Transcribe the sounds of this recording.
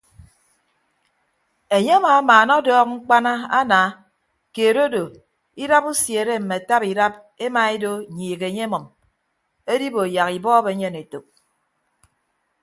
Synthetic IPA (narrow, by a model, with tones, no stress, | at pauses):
e˨ɲe˦a˦maː˨˦maː˨nɔ˦dɔː˦k̚ŋ͡m̩˦k͡pa˦na˦a˦naː˨˦ | keː˨ɾo˦do˨ | i˦ɾa˦pu˦sje˨ɾe˦m̩˨me˨a˨ta˦pi˨ɾa˦p̚ | e˦ma˨e˦do˦˨ɲiː˨ɣe˨ɲe˦mɔ˨m | e˦di˦bo˨ja˨ɣi˨bɔː˦be˨˦ɲe˦˨ne˨to˨k̚